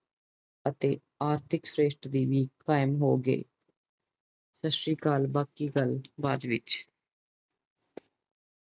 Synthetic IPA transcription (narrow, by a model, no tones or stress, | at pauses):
ət̪eː | aːɾt̪ʰɪksɾeːʃʈd̪iːʋiːkaːɪmɦoːɡə̰ː | səʃɾiːkaːlbaːkiːɡəlbaːd̪ʋɪt͡ʃ